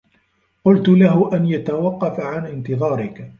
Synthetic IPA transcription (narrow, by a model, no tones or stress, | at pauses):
qʊlt̪ʊlaɦʊʔanjat̪awɑqːɑfaʕanʔɪnt̪ɨðˤɑːɾɪk